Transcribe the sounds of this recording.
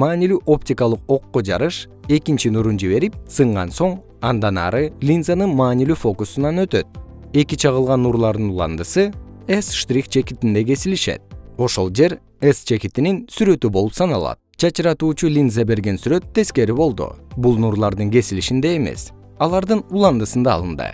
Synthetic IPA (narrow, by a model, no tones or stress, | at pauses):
mɑːnilyʔo̞pt̪ʲikɑlˠɯqo̞qːod͡ʒɑɾɯʃ | e̞kint͡ʃinuɾund͡ʒiβe̞ɾip̚sɯɴʁɑ̰nso̞ɴ | ɑnd̪ɑnɑ̰ɾɯlʲinzanɯnmɑːnilyfo̞kusunɑnø̞t̪ø̞t̪̚ | e̞kit͡ʃʰɑʁɯlˠʁɑnːuɾlˠɑɾd̪ɯnulˠɑ̰nd̪ɯsɯesʃt̪rʲikt͡ʃʰe̞kit̪ind̪e̞ɡe̞siliʃe̞̰t̪̚o̞ʃo̞lˠd͡ʒe̞ɾ | est͡ʃʰe̞kit̪ininsyɾø̞t̪ybo̞lˠupsɑnɑlˠɑ̰t̪̚d͡ʒɑt͡ʃɯɾɑt̪uːt͡ʃulʲinzabe̞ɾɡe̞nsyɾø̞t̪ʰːe̞ske̞ɾiβo̞lˠd̪ṵbulˠnuɾlˠɑɾd̪ɯŋɡe̞siliʃind̪eeme̞̰s | ɑlˠɑɾd̪ɯnulˠɑnd̪ɯsɯnd̪ɑ̰ːlˠɯnd̪ɯ̰